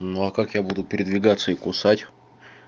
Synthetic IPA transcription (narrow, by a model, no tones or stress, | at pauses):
nuɐkakjabud̪ʊpʲɪɾʲɪd̪vʲɪɡat̪sːəikʊsatʲ